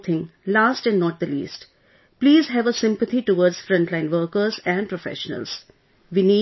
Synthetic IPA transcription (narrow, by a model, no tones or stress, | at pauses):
t̪ʰɪ̃ŋlaːsʈɛ̃nɖnɔːʈ̚d̪əlḭːsʈ | pliːzɦɛʋəsɪ̃mpət̪ʰiʈuʋɔːɾɖz̥fɾʌ̃ɳʈlãɪ̃nʋəːɾkəɾzɛ̃ɳɖpɾofɛ̰ʃənə̰lz̥ | ʋini